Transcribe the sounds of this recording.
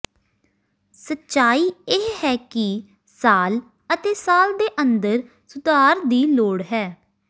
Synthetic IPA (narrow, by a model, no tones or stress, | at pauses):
sətːʃaːiːeːhɛːkɪ | saːl | ət̪eːsaːld̪eːʔənd̪əɾ | sʊd̪aːɾd̪iːloːɽɦɛː